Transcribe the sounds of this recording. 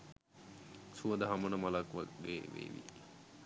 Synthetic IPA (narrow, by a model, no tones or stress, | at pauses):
suəd̪əɦamənəmalakʋa̰ɡeːʋḛːʋḭ